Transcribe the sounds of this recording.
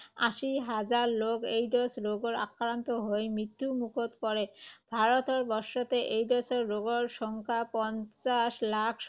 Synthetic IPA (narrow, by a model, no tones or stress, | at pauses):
a̰ʃiɦad͡ʑaɾlokejɖosɾoɡoɾa̰kːɾant̪oɦojmit̪ːumukʰot̪pɔɾebʱaɾot̪oɾbɔʃot̪eʔejɖɔseɾːoɡoɾʃɔŋkʰapɔnt͡ɕaʃlakʰ